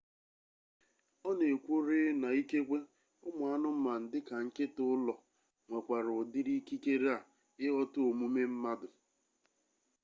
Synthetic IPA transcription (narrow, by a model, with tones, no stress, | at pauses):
ɔ˦ne˨kʷo˦ɾe˦na˨i˦ke˦kʷe˦ | ʊ˦mʊ˨a˦nʊ˦m̩˦ma˨n̩˨dɪ˦ka˨ŋ̩˦kɪ˦tʊ˦lɔ˨ | ŋʷe˨kʷa˨ɾʊ˨dɪ˦ɾi˦ki˦ke˦ɾe˦a˨ | ɪ˦ɣɔ˦tʊ˦o˨mu˦me˦m̩˦ma˦dʊ˨